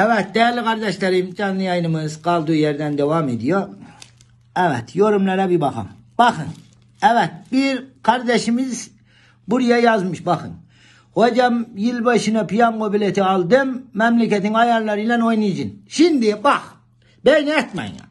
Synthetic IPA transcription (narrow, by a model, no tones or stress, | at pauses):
æwɛt̪̚d̪æːlːiqɑɾd̪ɛʃlɛɾimd͡ʒɑnːɨjɑjnɨmɯzqɑlˠd̪ujɛɾd̪ɛnd̪ɛwɑmed̪ijo | æʋɛt̪joɾumlɑɾɛbibɑχɑ̰mb̥ɑχɨn | æʋɛt̪̚biɾqʰɑɾd̪ɛʃimiz | buɾijɑjɑzmɨʃbɑχɨ̰n | hod͡ʒɑmjilbɑʃinɑpʰijɑmqobilɛt̪ʰiɑlˠd̪ɨmːɛmlɛkʲɛt̪iŋɑjɑlˠːɑɾilɛnojnid͡ʒinʃind̪ibɑχ | bejnɛt̪mɑ̰j̰ŋɑ̰